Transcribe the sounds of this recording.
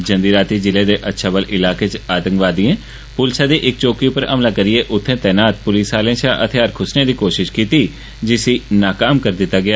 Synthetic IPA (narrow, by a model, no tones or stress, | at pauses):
d͡ʒə̃nd̪iːɾaːt̪iːd͡ʒɪleːd̪eːʔətːʃʰaːbəlʔɪlaːkeːt͡ʃaːt̪ə̃ŋkʋaːd̪iẽː | pʊlsaːd̪iːʔɪk̚t͡ʃoːkiʊpəɾəmlaːkəɾɪeːʔʊt̪ʰːẽːt̪ɛːnaːt̪̚pʊliːsaːlẽsaːʔət̪ʰɪjaːɾkʰʊsneːd̪iːkoːʃɪʃkiːt̪iː | d͡ʒɪsiːnaːkaːmkəɾd̪ɪt̪ːaːɡɪaː